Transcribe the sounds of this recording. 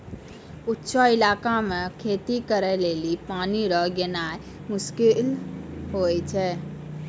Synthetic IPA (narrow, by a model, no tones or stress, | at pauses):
utːʃʰəilakamekʰet̪ikəɾɛlelipaniɾəɦɡenae | muskilɦojt͡ʃʰɛ